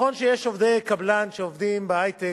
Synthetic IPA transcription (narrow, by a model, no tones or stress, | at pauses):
o̞nʃejeʃovd̪ejkablanʃeovd̪imbeajt̪e